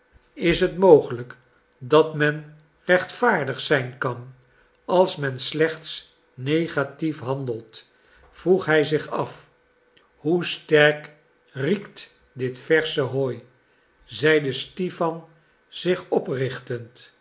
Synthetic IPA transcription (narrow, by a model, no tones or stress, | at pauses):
ɪsɦətmowχələk | dɑtmɛn | rɛχtfaːɹdəχsɛjnkɑn | ɑlˠsmɛnslɛχt̪s | nejχatifɦɑndəlˠt | fruχɦɛjzɪχɑf | hustɛrk | rikt | dɪtfɛɹsəɦoːj | zɛjdəstifɑn | z̥ɪχɔprɪχtənt